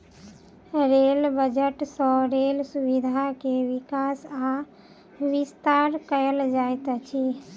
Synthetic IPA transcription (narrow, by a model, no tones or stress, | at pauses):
ɾelbəd͡ʒəʈsə̃ɾelsubid̪ʱakeʋikasa | ʋist̪aɾkəəld͡ʒajt̪t͡ʃʰi